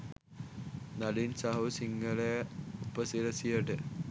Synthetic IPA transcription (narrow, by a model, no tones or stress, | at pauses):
nɐlinsaɦɐʋsiŋɡɐlejɐupɐsiɾɐsijɐʈə